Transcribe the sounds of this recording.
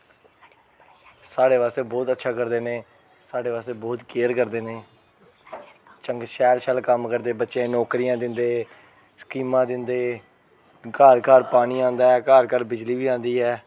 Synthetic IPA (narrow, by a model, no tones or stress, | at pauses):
saːɖeːʋaːst̪eːbɔːt̪ətːʃʰaːkəɾd̪eːnẽː | saːɖeːʋaːst̪eːbɔːt̪keːəɾkəɾd̪eːneː | t͡ʃəŋɡʃɛːlʃəːlkəmkəɾd̪eːbətːʃãːnɔːkɾijãːd̪ɪnd̪eː | sə̥kiːmãːd̪ɪnd̪eː | kaːɾkaːɾpaːɽ̃iːãːnd̪aːɛːkaːɾkəɾbɪd͡ʒliːʋiːãːnd̪iːɦɛː